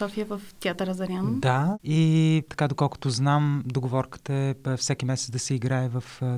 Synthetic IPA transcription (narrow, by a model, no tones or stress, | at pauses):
sɔfiəvəft̪ʲiat̪əɾəzɐɾʲand̪ait̪ɐ̥kad̪okɔlˠkʊ̥t̪ʊznamd̪oɡovɔɾkə̥t̪əɛfsɛkʲimɛsɛt̪d̪ɐsɛiɡɾaɛvɐf